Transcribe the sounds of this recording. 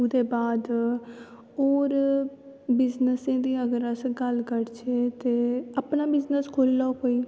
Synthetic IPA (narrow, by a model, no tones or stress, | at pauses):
ud̪eːbaːd̪ | oːɾ | bɪznəsẽːd̪iːəɡəɾəsɡəlkəɾt͡ʃʰeːt̪eːəpnaːbɪznəskʰoːlːaːkoːiː